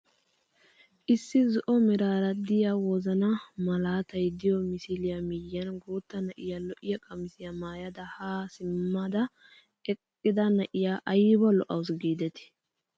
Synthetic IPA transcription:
ʔɪsːɪzɔʔɔmɪɾaːɾɐd̪ɪjawɔzɐnɐmɐlaːt̪ɐjd̪ɪjɔmɪsɪlɪjɐmɪjːɐnɡoːt̪ːɐnɐʔɪjalɔʔɪjɐkʼɐmɪsɪjɐmaːjɐd̪ɐhaːsɪmːɐd̪ɐ | ɛkʼːɪd̪ɐnɐʔɪjaʔɐjɪbɐlɔʔɐwʊsɡiːd̪ɛt̪ɪ̥

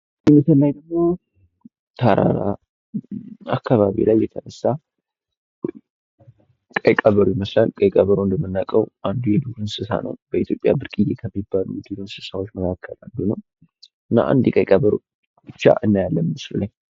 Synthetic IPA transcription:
jɛməsəlːajd̪əɡmo | t̪ʰaɾa̰ɾa | akʰːaβaβḭlajːɛt̪ʰənəsːa | kʼəjkʼaβəɾujɛməslalkʼəjkʼaβəɾond̪əmːɨnːakʼəwʔand̪ujɛd̪uhɨnsɨsa̰nə̰wbəit̪ʰjo̞pʼja̰bɨɾkʼɨjekʰəmːibːalud̪ilonsɨsawo̞t͡ʃːməkʰakʰːəland̪unəw | ɨnːa̰ʔa̰nd̪ikʼəjkʼaβəɾo̰ | b̥ɨt͡ʃːa̰ʔɨnːajalːənmɨslulaɲ

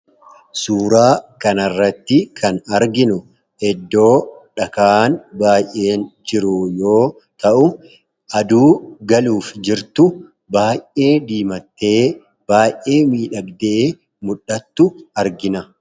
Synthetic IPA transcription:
suːɾaːkɐnɐrːɐt̪ːɪkʰɐnɐɾɡɪnʊ | ɛd̪ːo̞ːᶑɐkaːnbaːjʔːe̞ːnd͡ʒɪɾʊjo̞ː | t̪ɐʔʊ | ʔɐd̪uːɡɐluːfd͡ʒɪɾt̪ʊ | baːjʔe̞ːd̪iːmɐt̪ːe̞ː | b̥aːjʔe̞ːmiːᶑɐɡd̪eː | mʊᶑːɐt̪ːʊɐɾɡɪnɐ

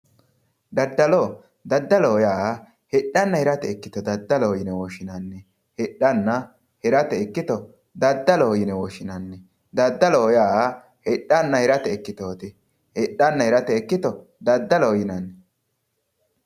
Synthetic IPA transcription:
d̪ɐd̪ːɐlo | d̪ɐd̪ːɐlɔjaː | hɪɗːɐnːɐhɪɾɐt̪ɛɛkːɪt̪ɔd̪ɐd̪ːɐlojɪnɛwɔːʃɪnanːɛ | hɛᶑːɐnːɐ | hɛɾɐt̪ɛɛkːɪt̪ɔ | d̪ɐd̪ːɐloːjɪnɛwɔʃɪnɐnːɛ | d̪ɐd̪ːɐlɔɔjaː | hɪɗɐnːɐhɪɾɐt̪ɛɛkːɪt̪oːt̪ɛ | hɪɗːɐnːɐhɛɾɐt̪ɛːkːɪt̪ɔ | d̪ɐd̪ːɐlojɪnɐnːɛ

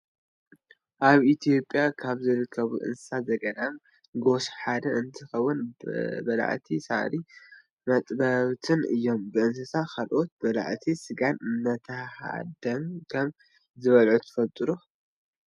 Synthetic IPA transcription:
ʔaβʔit̪ʰijo̞pʼːjakʰaβzɨɾɨkʰːɐβṵʔɨ̰nsɨ̥sazɐɡɐd̪am | ɡo̞sħad̪ɐʔɨnt̪ʰɨxɐwːʊnbɐla̰ʕt̪ʰisa̰ʕ̰ɾi | mɐt̪ʼbɐβt̪ʰɨnɨ̰jːo̞mbɨʔɨnsɐsakʰalʔo̞t̪̚bɐla̰ʕt̪ʰisɨɡannɐt̪ʰɐha̰d̪ɐmkʰɐm | zɨβɐlʕut̪ʰɨ̥fɐlt̪ʼɨɾu

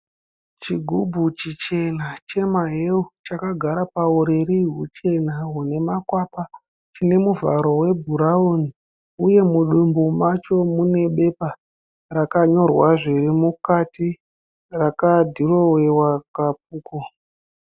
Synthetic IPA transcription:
t͡ʃiɡʱubʱut͡ʃit͡ʃe̞nat͡ʃe̞maɦeut͡ʃakaɡʱaɾapauɾeɾiɦṵt͡ʃe̞naɦune̞makwaːpa | t͡ʃine̞muva̰ɾo̞we̞bʱuɾauni | uje̞muɗumbumat͡ʃo̞mune̞ɓe̞pa | rakaɲo̞rwaʐirimukati | rakadʱiro̞wewakapuːko

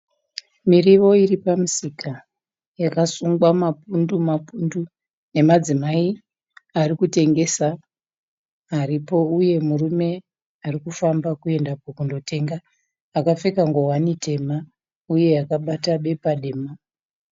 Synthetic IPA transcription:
miriʋo̞iripamusika | jakasuŋɡwamapundumapundu | ne̞mad͡zimai | arikute̞ŋɡe̞sa | ɾipo̞uje̞murume̞ | arikufambakue̞ndapokundo̞te̞ŋɡaː | kafe̞kaŋɡowanite̞ma | uje̞akaɓataɓe̞paɗeːma

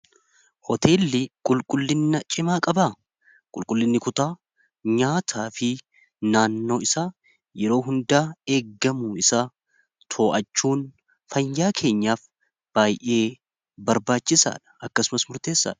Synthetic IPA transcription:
hɔt̪e̞ːlːɪkʼʊlkʼʊlːɪnːɐt͡ʃʼɪmaːkʼɐbaː | kʼʊlkʼʊlːɪnːɪkʊt̪aː | ɲaːt̪ʰaːfɪ | naːnːo̞ːɪsaː | jɛɾo̞ːɦʊnd̪aːe̞ːɡːɐmuːɪsaː | t̪ʰo̞ːʔɐt͡ʃːuːn | fɐjːaːkʰe̞ːɲːaːf | b̥aːjʔe̞ː | bɐɾbaːt͡ʃːɪsa̰ːᶑɐ̥ɐkːɐsʊmɐsmʊɾt̪e̞ːsːa̰ːᶑɐ̥

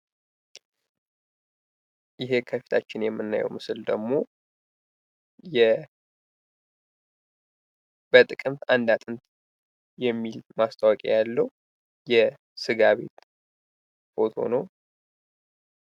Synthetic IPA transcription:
jɪɦe̞kʰəfi̥t̪ʰat͡ʃːɪnjɛmːɨnːa̰jɛ̰wmɨsɨld̪əɡmo̞ | jɛ | b̥ət̪ʼɨkʼɨmt̪and̪at̪ʼɨnt̪ | jɛmːilmast̪ʼawɔkʼḛjalːəw | jɛ | sɨɡaβe̞̰t̪ | fo̞̰t̪ʰo̞̰nəw

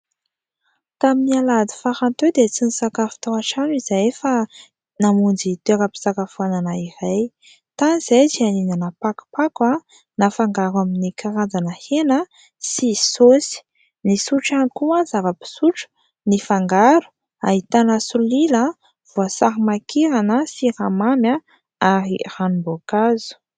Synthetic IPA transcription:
t̪aminialad̪i̥faxant̪ed̪et͡sinisakafu̥t̪oaʈ͡ʂanizajefə | namund͡zit̪ekəpi̥sakafuananaiɾaj | t̪aniz̥ejt͡sianinanəpaku̥paka | nafaŋɡaɾaminikʰaɾad͡zanəhenə | sisosi̥ | nisuʈ͡ʂankuanzavəpi̥suʈ͡ʂu̥ | nifaŋɡaɾu̥ | a̰ɦit̪anasulilə | v̥uasaɾimakiɾanəsiramamja | aɾḭranumbokazu̥

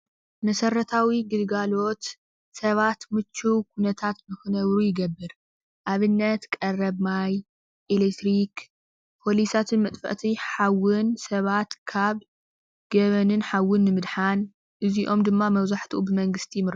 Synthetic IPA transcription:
mɐsɐrɐt̪ʰawiɡɨd̪ɡalo̞t̪ | sɐβat̪mɨt͡ʃʰːuwkʰunɐt̪ʰat̪mɨxɨnɐβɾujɪɡɐbːɨɾ | ʔaβɨnːɐt̪kʼɐrɐβmaj | ʔelekt̪ɾik | pʰo̞lisat̪ʰɨnmɐt̪ʼfɐ̰ʔt̪ʰiħawɨnsɐβat̪kʰaβ | ɡ̥ɐβɐnɨnħawːɨnːɨmɨd̪ħan | ʔɨziʔo̞md̪ɨmːamɐwzaħt̪ʰɨʔubɨmɐŋɡɨst̪ʰimɨ

